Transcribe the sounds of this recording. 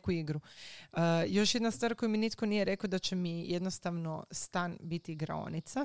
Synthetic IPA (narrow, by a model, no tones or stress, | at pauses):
kuiɡɾuəjo̞ʃje̞d̪nast̪ʋaːɾkojiminit̪ko̞nije̞ɾe̞kod̪at͡ɕemijʔe̞d̪nost̪aʋno̞st̪anbit̪iɡɾa̰o̰nit̪sa